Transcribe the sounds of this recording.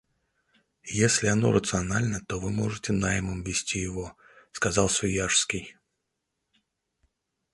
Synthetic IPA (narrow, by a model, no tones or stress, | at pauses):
jesʲlʲɪɐno̞̰ɾʔət̪sɨɐnalʲnət̪ovɨmoʐɨtʲɪnaɪmɨmvʲɪsʲtʲijɪvo | skɐzɑlˠsʲvʲʊjaʂskʲɪj